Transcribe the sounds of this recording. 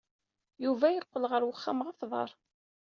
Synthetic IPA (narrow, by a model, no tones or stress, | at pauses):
juvæjəqːəlʁəɾwəχːamʁaθðˤɑ̰ɾˤ